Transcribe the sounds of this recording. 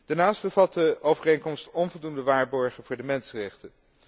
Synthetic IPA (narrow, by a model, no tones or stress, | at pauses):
d̥aːɹnaːsd̚bəvɑt̚dəʔowvərejnkɔmstɔnvɔlˠdundəʋaːɹbɔɹχəvʊːɹdəmɛnsənrɛχtən